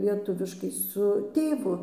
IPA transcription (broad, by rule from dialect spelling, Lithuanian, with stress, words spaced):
lʲiɛˈtʊʋʲɪʃkɐɪ sʊ ˈtʲeːʋʊ